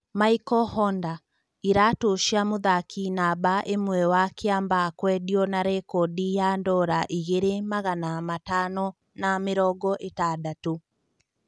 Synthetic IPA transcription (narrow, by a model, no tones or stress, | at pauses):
maikɔhɔnda | iɾatoʃiamoðakinabaʔemwɛwakeambakwɛdiɔnaɾekɔdijandɔɾaʔiɣeɾemaɣanamatanɔ | nameɾɔɡɔʔetadatu